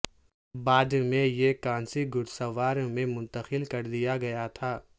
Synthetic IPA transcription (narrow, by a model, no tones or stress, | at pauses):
baːd̪mẽjekãːnsiɡʊɽsɐʋaːɾ̃mẽmʊ̃nt̪əxɪlkɐɾd̪ijaɡɐjat̪ʰaː